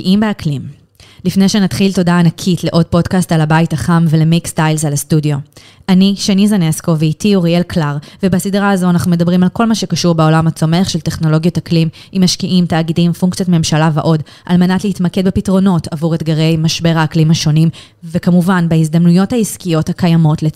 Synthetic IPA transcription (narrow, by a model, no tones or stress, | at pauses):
ʔimbeaklim | lifne̞jʃenatχilto̞daːnakʰitle̞ʔo̞d̚po̞dkastalabaitaχamve̞le̞mikstajlzalastudio̞ | ʔaniʃenizane̞sko̞veitiuʁielklaʁvebasidʁaazo̞anaχnume̞dɐbʁimalko̞lmaʃekaʃuʁbeo̞lamhat͡so̞me̞aχʃe̞lte̞χno̞lo̞ɡjotaklim | imaʃkiʔimtaːɡidimfuŋkt͡sijotme̞mʃalavaʔo̞d | ʔa̰lme̞natleitmakedbepitʁo̞no̞tavuʁetɡaʁe̞jmaʃbe̞ʁaːklimhaʃo̞nim | vekamuvanbehizd̪amnujo̞thaiskijo̞thakajamo̞tle